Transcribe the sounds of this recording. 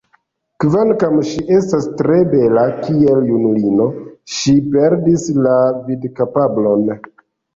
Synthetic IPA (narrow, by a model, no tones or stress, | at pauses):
kvankamʃiʔe̞stastɾe̞be̞lakie̞ljunulino̞ʃipe̞ɾdislavidkapablo̞n